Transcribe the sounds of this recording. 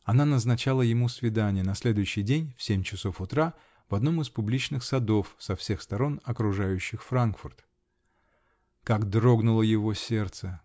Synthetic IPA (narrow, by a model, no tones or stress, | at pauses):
ɐnanəznɐt͡ɕalˠəjɪmusvʲɪd̪anʲɪjənɐsʲlʲe̞d̪ʊjʉɕːɪjdʲenʲfsʲemʲt͡ɕɪso̞fʊt̪ɾa | vɐd̪no̞mɨspʊblʲit͡ɕnɨxsɐd̪o̞fsɐfsʲe̞xst̪ɐɾo̞nɐkɾʊʐajʉɕːɪxfɾankfʊrt̪ | kaɡd̪ɾo̞ɡnʊlˠəjɪvo̞sʲe̞rt̪sə